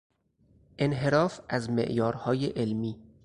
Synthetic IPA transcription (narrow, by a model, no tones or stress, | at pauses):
ʔe̞nɦe̞ɾɒːfæzmḛʔjɒːɾhɒːjeʔelmiː